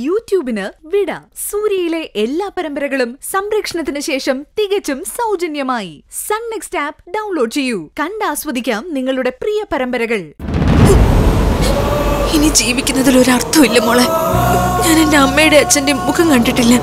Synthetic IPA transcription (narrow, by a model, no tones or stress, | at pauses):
juːtjuːbinɨʋiɽɐsuːɾjɐjile̞ʔelːaːpɐɾɐmbɐɾɐɣɐɭumsɐmɾɐkʂɐɳɐt̪ːinɨɕe̞ːʂɐmt̪iɣɐt͡ɕːumsɐwd͡ʑɐnjɐmaːjisɐnnekstaːpɖɐwnlo̞ːɖt͡ɕe̞jːukɐɳɖaːsʋɐd̪ʱikʲːaːmniŋːɐɭuɽe̞prijɐpɐɾɐmbɐɾɐɣɐɭ | inid͡ʑiːʋikʲːunːɐðilo̞ɾɐrt̪ʰːɐmilːɐmoːɭeɲaːnendeɐmːejuɽe̞ɐt͡ɕːɐndemukʰɐmkɐɳɖiʈːilːɐ